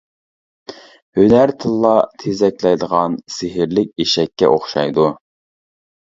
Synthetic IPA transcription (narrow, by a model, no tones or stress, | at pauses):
hønæɾt̪ʰɨlˠːɑt̪ʰezɛkʲlɛjd̪əʁɑnseɦɪɾlɪk̚ʲeʃɛkʲːɛ̰ʔoχʃɑ̰jd̪u